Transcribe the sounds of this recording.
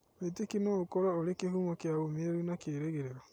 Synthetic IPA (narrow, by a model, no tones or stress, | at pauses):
etekinookɔɾaoɾekeɦumɔkeaomeeɾunakeɾeɣeɾeɾɔ